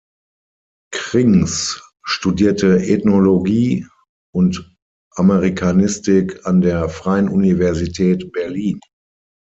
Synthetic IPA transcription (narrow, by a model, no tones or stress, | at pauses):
kʁ̥ɪŋs | ʃtudiːɐtəʔɛtnoloɡiː | ʔʊnt | ʔameʁikʰanɪstɪkʰandeːɐfʁ̥aɪənʔunivɛɐzitʰɛːtb̥ɛɐliːn